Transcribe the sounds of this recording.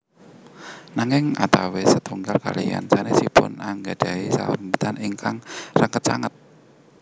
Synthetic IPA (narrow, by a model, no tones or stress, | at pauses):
naŋɪŋa̰t̪awesət̪ʰuŋɡalkalija̰nsanesipʊ̰naŋɡad̥a̤isa̰wənmbut̪aniŋkaŋrəŋkət̪̚t͡ʃaŋət̪̚